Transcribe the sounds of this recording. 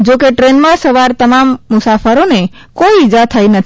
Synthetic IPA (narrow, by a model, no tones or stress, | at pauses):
d͡ʒokeʈɾenmãsəʋaɾt̪əmamːʊsafəɾone | koiid͡ʒat̪ʰajnət̪ʰ